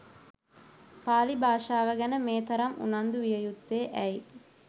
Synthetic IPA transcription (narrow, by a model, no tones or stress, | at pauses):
paːlibʱaːʂaːʋɐɡɐnəmeːt̪ɐɾɐmṵnɐnd̪uʋijɐjut̪ːeːʔɛji